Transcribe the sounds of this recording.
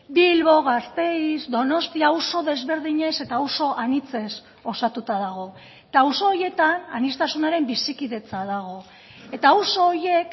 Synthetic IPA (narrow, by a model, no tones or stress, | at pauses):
bilβo̞ɣast̪e̞izd̪o̞no̞st̪iauso̞ðe̞zβe̞ɾðiɲe̞se̞t̪awso̞ʔanit͡se̞s | o̞sat̪ut̪aðaɣ̞o̞ | et̪awso̞ːje̞t̪ana̰nist̪asunaɾe̞mbisikiðe̞t͡saðaɣ̞o̞ | e̞t̪auwso̞ːje̞k